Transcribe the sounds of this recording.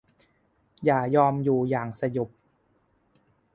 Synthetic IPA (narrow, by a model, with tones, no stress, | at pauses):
jaː˨˩jɔː˧mjuː˨˩jaː˨˩ŋsa˧jo˨˩p̚